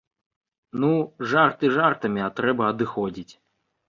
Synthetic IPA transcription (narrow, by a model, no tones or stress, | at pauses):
nuʐart̪ɨʐart̪ɐmʲiat̪ɾɛbɐːd̪ɨxɔd͡zʲit͡sʲ